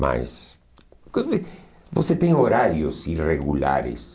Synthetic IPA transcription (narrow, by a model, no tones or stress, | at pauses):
ma̰s | k | voset̪ẽŋ̃oɾaɾjʊsireɣula̰ɾɪ̰s